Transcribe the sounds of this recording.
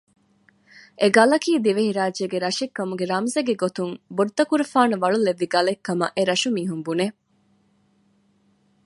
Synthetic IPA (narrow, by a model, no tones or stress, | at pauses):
ʔeɡɐlɐkiːd̪iʋehiɾaːd͡ʒeɡeɾɐʃekːɐmuɡeɾɐmzeɡeɡot̪uŋboɖd̪ɐkuɾɐfaːnɐʋɐɭuleʋːiɡɐlekːɐmɐ̰ʔeɾɐʃumiːɦumbune